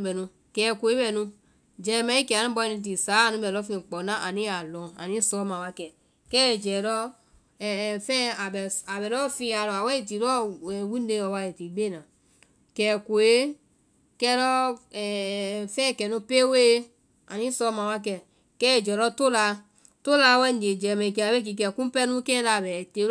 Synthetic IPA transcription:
bɛ˨nũ˧ | kɛ˨ko˨e˦bɛ˨nũ˧ | d͡ʒɛ˨mã˧˦i˦kɛ˨a˨ũ˦bɔ˧i˧nĩ˧t̬i˨saː˨˦a˨nũ˧˦bɛ˨lɔ˦fĩ˧˨k͡pɔ˨nã˦ʔa˨nĩ˦a˨lɔ̃˨a̰˨nĩ˦sɔ˧˦mã˨wa˧˦kɛ˨ | kɛ˦˨d͡ʒɛ˨ɾɔ˦˨ | fɛ̃˦a˨bɛ˨a˨bɛ˨ɾɔ˦fĩ˧a˨ɾɔ˨a˨wɛ˦i˨t̬i˨ɾɔ˦ɛ˨wu˦de˧ɔ˧wa˧je˨ti˨˦ɡ͡be˦˨nã˨ | kɛ˨ko˨e˦ | kɛ˧˦ɾɔ˦˨ | fɛ̃˦˨kɛ˨nũ˧pe˦we˦ | a˨nĩ˦sɔ˧˦mã˨wa˦k̬ɛ˧˨ | kɛ˦e˨d͡ʒɛ˨ɾɔ˦to˦la˧ | to˦la˧˦wɛ˦n˨de˨d͡ʒɛ˨mɛ˨k̬i˧˨a˨bɛ˦k̬i˧k̬ɛ˨kũ˦pɛ˦nũ˦kɛ̃˦la˧˨bɛ˨te˨˦

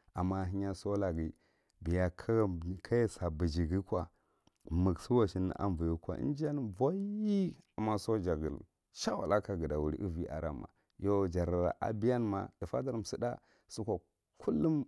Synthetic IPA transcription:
a˨mːa˦˨ɦi˦ɲa˦so˦la˨ɡi˨ | bi˨ja˨kʰkʰa˦ja˦sa˨bi˨d͡ʒi˨ɡi˦kʷa˨ | mə˨ɡsu˦wa˨ʃi˦n̰˨˦ʔa̰˦mvu˨ju˦kʷa̰˨ḭ˦n˦d͡ʒa˦n˦va˦i˦a˨mːa˦so˦d͡ʒa˨ɡə̰˨l | ʃa˦wa̰˨la˦ka˨ɡə˨da˨wu˨ɾḭ˨˦ʔi˦vi˦ʔa̰˨ɾa̰˦ma̰˨ | jo˦d͡ʒa˨ɾa˨ɾa̰˨ʔa̰˨bi˦ja˦n˦ma̰˨d̥i˨fa˦da˦ɾm˨si˦da̰˦ | su˦kʷa˨ | kʰu˦lːu˦m

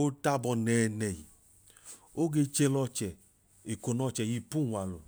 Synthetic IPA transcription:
o˦ta˦bɔ˧nɛː˨nɛ˨jḭ˨ | o˦ɡe˧t͡ʃe˧lɔ˧t͡ʃɛ˨ | e˨ko˨nɔ˧t͡ʃɛ˨ji˧pu˦˨wa˨lṵ˨

